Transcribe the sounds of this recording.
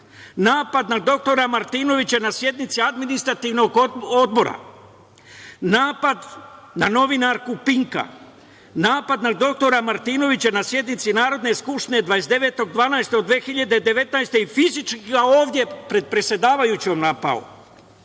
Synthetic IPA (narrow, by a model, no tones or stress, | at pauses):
naːpad̪nad̪o̞k̚t̪o̞ɾamaɾt̪iːno̞ʋit͡ɕanasje̞d̪nit̪siad̪minist̪ɾat̪iːʋno̞ɡo̞d̪bo̞ɾa̰ | naːpad̪ | nano̞ʋinaɾkupiŋka̰ | naːpad̪nad̪o̞k̚t̪o̞ɾamaɾt̪iːno̞ʋit͡ɕanasje̞d̪nit̪sinaːɾo̞d̪ne̞skupʃt̪ine̞d̪ʋaje̞sd̪e̞ʋe̞ːt̪o̞ɡd̪ʋaːnaest̪eod̪ʋeːxiʎad̪e̞d̪e̞ʋe̞t̪najst̪e̞ifizit͡ʃkɡaoːʋd̪je̞pɾe̞d̪̚pɾesʲjed̪aːʋajut͡ɕomnapa̰ṵ